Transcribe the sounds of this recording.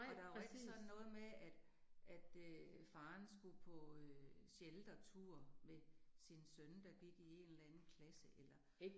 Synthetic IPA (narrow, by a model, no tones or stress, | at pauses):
ɒd̥ɑʋeɡ̥sɒ̽nn̩nːɔ̽ːð̩ˠmeæd̥ʔæd̥øfɑ̈ːnsɡ̥upʰɒ̽ɕeld̥ɐt͡sʰuɐ̰mesinsønd̥ɑ̈ɡ̥iɡ̥ie̝̰nelænn̩kʰlæsəʔelɐ